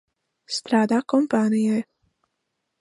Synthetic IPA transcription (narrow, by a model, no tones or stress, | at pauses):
st̪ɾaːd̪akɔmpaːnijɛ